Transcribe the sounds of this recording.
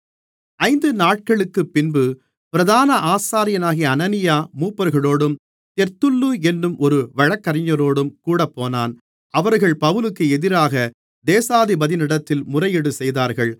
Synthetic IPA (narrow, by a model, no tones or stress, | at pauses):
ɐɪnd̪ɯnaːʈ̚kɐɭɯkːɯpːɪnbɯ | pɪɾɐðaːnɐʔaːsaːɾɪjɐnaːɣɪjɐːnɐnɪjaːmuːpːɐɾɣɐɭoːɽɯm | t̪ɛɾt̪ɯlːuɛnːɯmʔɔɾɯʋɐɻɐkːɐɾɪɲːɐɾoːɽɯmkuːɽɐpːoːnaːn | ɐʋɐɾɣɐɭpɐʋɯlɯkːɯɛðɪɾaːɣɐ | d̪eːsaːðibɐðɪnɪɽɐt̪ːɪlmʊrɐjɪɽɯsɛjðaːɾɣɐɭ